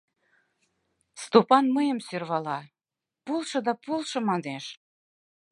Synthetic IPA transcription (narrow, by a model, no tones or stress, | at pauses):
st̪opɑnməjə̆msørβɑlɑ | pulˠʃɤ̆d̪ɑpulˠʃɤ̆mɑd̪eʃ